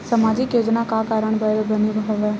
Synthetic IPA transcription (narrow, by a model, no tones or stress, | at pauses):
səmaːd͡ʒɪkjoːd͡ʒnakaːkaːɾəɳ̃bəɾbənibʱɦəʋɛː